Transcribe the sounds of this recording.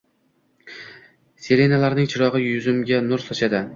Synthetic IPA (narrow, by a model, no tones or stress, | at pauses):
seɾe̞nalaɾnɪŋt͡ʃʰɪɾɒʁɨjʊzɪmɡʲanʊɾsɒʃad̪ɪ